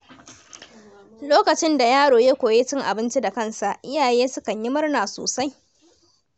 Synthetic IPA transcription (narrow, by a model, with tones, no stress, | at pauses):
loː˦kɐ˨t͡ʃɪ˦nda˨jaː˦ɽoː˨jeː˦kʷoː˨je˦t͡ʃɪ˦ŋʔa˨bɪ˦nt͡ʃi˦da˨kɐ˦nsa˨ʔɪ˦jaː˨jeː˦sʊ˦kɐ˨ɲjɪ˦mɐ˦rnaː˨so̰ː˨sa˦j